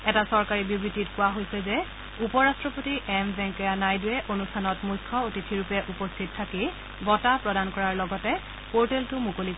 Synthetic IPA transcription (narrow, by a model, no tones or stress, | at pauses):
ɛtasɔɹkaɹibubɹititkʊwaɦojsɛzɛ | upɔɹastɹɔpotiʔɛmbɛŋkɔjanajdʊɛʔonustʰanɔtmukʰɔotitʰiɹupɛʔupɔstʰittʰːaki | bɔtapɹɔdankɔɹaɹlɔɡɔtɛ | poɹtɛltʊmukolik